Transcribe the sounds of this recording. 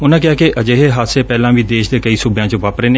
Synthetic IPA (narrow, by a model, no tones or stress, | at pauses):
ʊnãːk̬ɪaːkeʔəd͡ʒeːɦeːɦaseːpɛːlãːʋiːd̪eːʃd̪eːkəiːsubejãːt͡ʃəʋaːpɾeːneː